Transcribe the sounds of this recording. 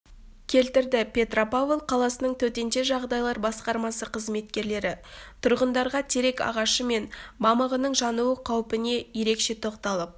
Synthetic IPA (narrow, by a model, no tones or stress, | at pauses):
kʲʰe̞lt̪ɪɾd̪ɪpʲʰe̞t̪ropavlˠqʰɑlˠɑsənəɴt̪ʰɵt̪e̞nt̪e̞ʒɑʁd̪ɑjlˠɑɾbɑsqɑɾmɑsəqʰəzme̞t̪kʲe̞ɾle̞ɾɪt̪ʰʊɾʁənd̪ɑɾʁɑt̪ʰe̞ɾe̞kɑ̰ʁɑʃəme̞nbɑməʁənəɴʒɑnuwəqʰɑwpɪne̞je̞ɾe̞kʃe̞t̪ʰo̞qt̪ɑlˠəp̚